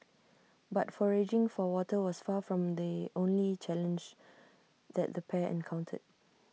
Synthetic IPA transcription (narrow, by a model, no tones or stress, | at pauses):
batfɔɹed͡ʒɪ̃ŋfɔwɔtəwɔsfafɹɔ̃md̪iʔõnlit͡ʃɛlə̃nd͡ʒ | d̪ɛ̰t̚d̪əpʰɛɛ̰̃nkʰãʊ̃ntʰə̰d̚